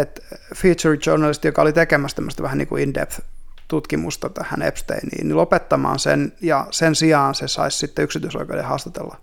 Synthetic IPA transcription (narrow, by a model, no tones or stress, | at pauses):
et̪fiːt͡ʃurt͡ʃornɑlist̪jokɑolit̪ekemæst̪emːost̪ɑʋæhæniːkuindḛpft̪ut̪kimust̪ɑt̪æhæ̰nḛpst̪ḛinḭːnnilopet̪ːɑmɑ̰ːnsḛnjɑsensiɑːnsesɑ̰issit̪ːeyksit̪yiso̰ikḛdḛhɑːst̪ɑ̥t̪ḛlːɑ